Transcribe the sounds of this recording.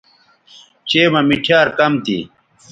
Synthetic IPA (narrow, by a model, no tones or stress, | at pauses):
t͡ɕeːmɐmiʈʰjaːɾkɐmt̪ḭ